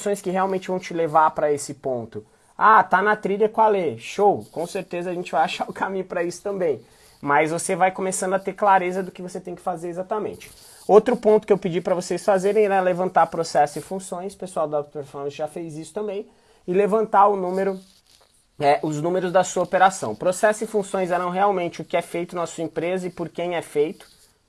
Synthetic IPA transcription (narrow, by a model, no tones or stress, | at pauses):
sõj̃skɪhealwmẽnt͡ʃɪvɐ̃w̃t͡ʃɪlevaɾpɾɐesɪpõnt̪ʊ | at̪anɐt̪ɾiʎɐkwaleʃowkõw̃seɾt̪ezɐːʒẽnt͡ʃɪvajaʃaɾʊkamĩɲʊpɾɐisʊ̥t̪ɐ̃mbẽj̃ | mɐzvosevajkomesɐ̃nd̪ʊɐt̪eɾklaɾezɐd̪ʊkɪvoset̪ẽj̃kɪ̥fazeɾezat̪ɐmḛ̃nt͡ʃɪ̥ | owt̪ɾʊpõnt̪ʊkɪewpɪd͡ʒipɾɐvosejsfazeɾẽj̃ɛɛlevɐ̃nt̪aɾpɾosɛsʊɪfũsõj̃spesuawd̪akpeɾfɔɾmɐ̃sʒafejzisʊt̪ɐ̃mbẽj̃ | ɪlevɐ̃nt̪aʊnũmeɾʊ | ɛʔʊznũmeɾʊzd̪ɐsuɐopeɾasɐ̃w̃pɾosɛsʊɪfũsõj̃szɛɾɐ̃w̃ɦeawmẽnt͡ʃɪʊkɪɛfejt̪ʊnɐsuɐẽmpɾezɐɪpoɾkẽj̃ɛfejt̪ʊ̥